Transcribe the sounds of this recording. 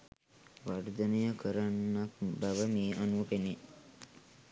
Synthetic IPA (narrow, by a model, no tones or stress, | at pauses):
ʋaɾd̪ənejəkʰəɾanːakbaʋəmeːʔanupene